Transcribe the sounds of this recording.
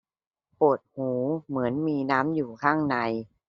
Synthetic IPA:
pu˨˩ət̪̚huː˩˦mɯ˩˦ənmiː˧naː˦˥mjuː˨˩kʰaː˥˩ŋna˧j

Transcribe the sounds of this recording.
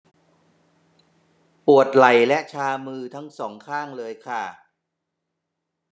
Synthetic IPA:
pu˨˩ət̪̚la˨˩jlɛ˦˥ʔt͡ɕʰaː˧mɯː˧t̪ʰa˦˥ŋsɔː˩˦ŋkʰaː˥˩ŋlɤː˧jkʰa˥˩

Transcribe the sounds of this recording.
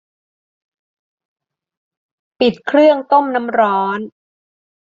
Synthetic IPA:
pi˨˩t̪̚kʰɾɯ˥˩əŋt̪o˥˩mna˦˥mɾɔː˦˥n

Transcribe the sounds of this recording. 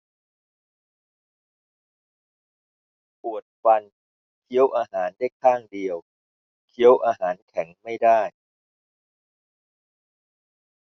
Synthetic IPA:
pu˨˩ət̪̚fa˧n | kʰi˦˥əwʔaː˧ɦaː˩˦nda˥˩jkʰaː˥˩ŋdi˧əw | kʰi˦˥əwʔaː˧ɦaː˩˦nkʰɛ˩˦ŋma˥˩jdaː˥˩j

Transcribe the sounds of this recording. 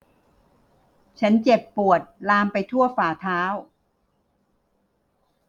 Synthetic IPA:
t͡ɕʰa˦˥nt͡ɕe˨˩pːu˨˩ət̪̚laː˧mpa˧jt̪ʰu˥˩əfaː˨˩t̪ʰaː˦˥w

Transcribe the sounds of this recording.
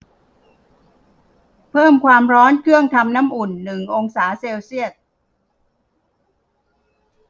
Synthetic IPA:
pʰɤː˥˩mkʰwaː˧mɾɔː˦˥nkʰɯ˥˩əŋt̪ʰa˧mnaː˦˥mʔu˨˩nːɯ˨˩ŋʔo˧ŋsaː˩˦seː˧wsi˥˩ət̪̚

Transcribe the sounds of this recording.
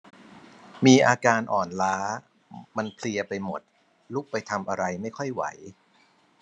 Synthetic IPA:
miː˧ʔaː˧kaː˧nʔɔː˨˩nlaː˦˥ | ma˧npʰli˧ɐpa˧jmo˨˩t̪̚ | lu˦˥˩k̚pa˧jt̪ʰa˧mʔa˧ɾa˧jma˥˩jkʰɔ˥˩jwa̰˩˦j

